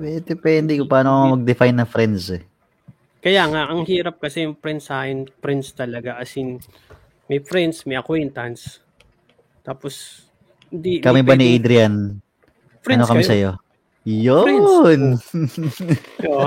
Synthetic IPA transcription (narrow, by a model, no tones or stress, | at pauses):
mɛd̪ɛpɛnd̪ɛkʊpaːnoɐŋɐmɐɡ̚d̪ɪfajnːɐfɾɛnd̪sɛ | kɐjaŋaʔɐŋhiːɾɐp̚kɐsɛjʊŋpɾɛnd̪sahɪnpɾɛnd̪st̪ɐlɐɡaʔɐsɪŋ | mɐjfɾɛnd̪smɐjʔɐkwɛnt̪ɐns | t̪aːpos | ɪnd̪ikɐmɐjbaniʔejd̪ɾɪjan | ɐnokɐmisɐjo̞ | jon